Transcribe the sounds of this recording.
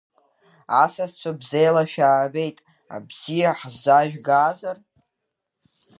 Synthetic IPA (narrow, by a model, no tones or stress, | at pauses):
asast͡sʷʰabzejlaʃᶣaːbe̞jtʼ | a̰bz̥ijaħzaʒᶣɡaːzar